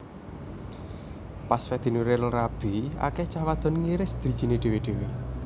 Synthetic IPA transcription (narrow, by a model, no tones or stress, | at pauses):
pasfɛd̪̥i̤nuɾelrab̥ia̰kɛht͡ʃawad̪̥ɔ̤nŋiɾɪsd̪̥ɾi̤̥d͡ʒ̥i̤neɖ̥e̤weɖ̥e̤we